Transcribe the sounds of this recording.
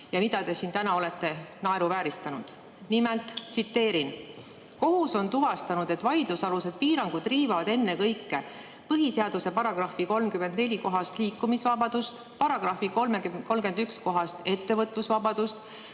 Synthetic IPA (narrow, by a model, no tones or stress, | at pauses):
jɑmid̪ɑt̪e̞siːnt̪ænɑo̞le̞t̪ːˑe̞nɑe̞ɾuvæːɾist̪ɑnud̪̥ | nimelt̪ˑsit̪ːe̞ːɾin | ko̞ɦuso̞nt̪uvɑst̪ɑnud̪̥e̞t̪ːˑvɑjd̪̥lusɑluse̞d̪̥̚piːɾɑŋɡ̥ud̪̥riːvɑvɑd̪e̞nːe̞kɤjkːe̞ | pɤɦiseɑd̪̥use̞pɑɾɑɡ̥rɑhfiko̞lmkymːend̪ne̞lʲiko̞ɦɑst̪liːkːˑumisvɑbɑd̪̥ust̪ | pɑɾɑɡ̥rɑfiko̞lmekko̞lmke̞nd̪yksko̞ɦɑst̪e̞t̪ːe̞vɤt̪ˑlusvɑbɑd̪̥ust̪